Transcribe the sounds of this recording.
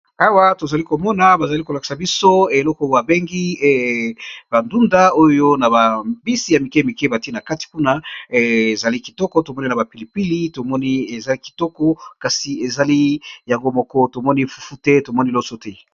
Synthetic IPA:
a˦wa˦to˨za˨li˦ko˨mɔ˦na˨ba˨za˨li˦ko˨la˨ki̥˨sa˨bi˦so˦e˨lɔ˦kɔ˦˨a˨be˦ŋɡi˦˨ba˨ndu˦nda˦o˦jo˦na˨ba˨bi˦si˨ja˨mi˨ke˦mi˨ke˦ba˨ti˦na˨ka˦ti̥˨ku˦na˦e˨za˨li˦ki˨tɔ˦kɔ˦to˨mɔ˦ni˦na˨ba˨pi˨li˨pi˦li˦to˨mɔ˦ni˦e˨za˨li˦ki̥˨tɔ˦kɔ˦ka˨si˨e˨za˨li˦ja˨ŋɡo˦mɔ˦kɔ˦to˨mɔ˦ni˦fu̥˦fu˦te˦to˨mɔ˦ni˦˨lo˦so˦tɛ˦

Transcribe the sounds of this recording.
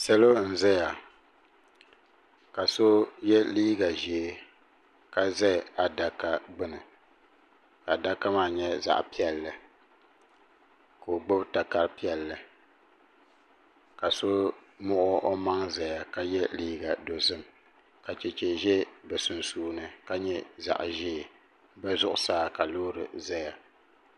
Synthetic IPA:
sa˦lo˦n̩˨zɛ˦ja˨ | ka˨so˦jɛ˦liː˦ɡa˨ʒi˨e˨ | ka˦zɛ˦˨a˨da˦ka˦ɡ͡bɨ˦nɨ˨ | ka˨da˦ka˦maː˦ɲɛ˦za̰˨ʔpi˦ɛ˦˨lːɨ˨ | ka˨o˨ɡ͡bo˦bta˨ka˦ɾpi˦ɛ˨lːɨ˨ | ka˨so˦mʊ˦ʔʊ˦ʔo˦ma˦ŋza˨ja˨ka˦jɛ˦liː˦ɡa˨do˨zɨ˦m | ka˨t͡ʃɛ˨t͡ʃɛ˨ʒɛ˦bɛ˨sʊ˨nsuː˦nɨ˨ka˦ɲɛ˦za̰˨ʔʒeː˦˨ | bɛ˦zʊ˦ʔʊ˦saː˦ka˨loː˦ɾɨ˨za˦ja˨

